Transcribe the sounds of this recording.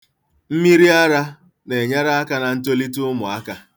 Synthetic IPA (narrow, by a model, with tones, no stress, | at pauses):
m̩˦mi˦ɾi˦a˦ɾa˦ | ne˨ɲa˦ɾa˦a˦ka˨na˨n̩˦to˦li˦tʊ˦ʊ˦mʊ˨a˦ka˨